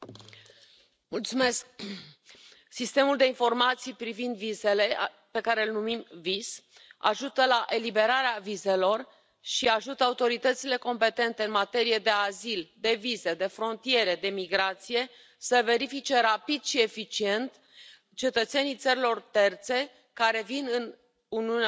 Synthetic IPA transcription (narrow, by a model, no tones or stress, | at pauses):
mult̪sume̞sk̚ | sist̪e̞muld̪e̞info̞rmat̪sijpɾivind̪vize̞le̞ | pe̞kaɾe̞ɨlnumimvisa̰ʒut̪əlaʔe̞libe̞ɾaɾeavize̞lo̞r | ʃiaʒut̪əaut̪o̞ɾit̪ət̪sile̞ko̞mpe̞t̪e̞nt̪e̞ɨnmat̪e̞ɾije̞d̪e̞azild̪e̞vize̞d̪e̞fɾo̞nt̪ije̞ɾe̞d̪e̞miɡɾat̪sije̞ | səve̞ɾifit͡ʃe̞ɾapid̪ʃie̞fit͡ʃie̞nt̪ | t͡ʃe̞t̪ət̪se̞nijt̪səɾilo̞rt̪e̞rt̪se̞ | kaɾe̞vinɨn | uniun